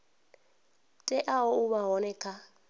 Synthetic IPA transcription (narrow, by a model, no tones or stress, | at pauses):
tʼɛʔaɔuβaɦɔnɛkʰa